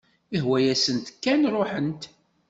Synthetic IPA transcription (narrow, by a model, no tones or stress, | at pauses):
ihwæjæsənt̪kːænrˤoħənt̪